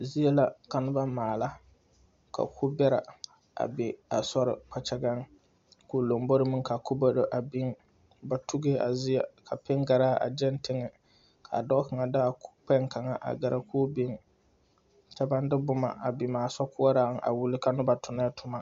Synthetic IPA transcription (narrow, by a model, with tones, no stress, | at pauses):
zi˦jɛ˦la˨ka˨nʊ˦ba˦maː˨la˦ | kʰa̰˨kʰu˦bɛ˦ɾa̰˨ | a̰˨bɪ˨a̰˨sɔ˦ɾɪ̰˨k͡pa˨t͡ʃa˦ɡa˦ŋ | ku˨lo˨mbo˦ɾɨ˦mɨ˦ŋ˦ka˨ku˦bo˦do˨ʔa˨bi˦ŋ | ba˦tu˦ɡe˦a̰˨zi˦a˦ka˨pɪ˦ŋɡa˨ɾaː˦ʔa̰˨d͡ʒɛ˦ntɪ˦ŋɪ˨ | kʰa̰˨dɔ˦ka˨ŋa˨daː˦˨k͡pɛ˦ŋka˨ŋa˨ʔa̰˨ɡa˨ɾʔa˨kuː˦bi˦ŋ | t͡ʃɛ˦ba˦n˦dɨ˦bʊ˦ma̰˨ʔa˨bi˨maː˨sɔ˦kʊ˦a˦ɾaː˦˨ŋ˦˨ʔa̰˨wu˦lɪ˦ka˨nʊ˦ba˦tʰʊ˨na˦ɛ˦tʰʊ˦ma˦